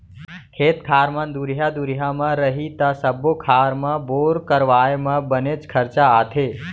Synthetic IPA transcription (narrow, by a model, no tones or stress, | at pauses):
kʰeːt̪kʰaɾmãnd̪uɾɦjad̪uɾɦjamãɾəɦit̪asəbokʰaɾmãboɾkəɾʋajmãbənet͡ʃkʰəɾt͡ʃaːt̪ʰe